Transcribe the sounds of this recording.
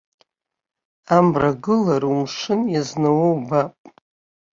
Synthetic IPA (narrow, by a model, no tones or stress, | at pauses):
amraɡɨlaɾumʂɨnjaznawowbapʼ